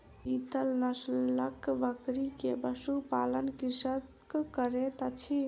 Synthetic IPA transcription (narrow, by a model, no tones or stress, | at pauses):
it̪əlnəsləkbəkɾikebəsupalənkisət̪kkəɾet̪ət͡ʃʰi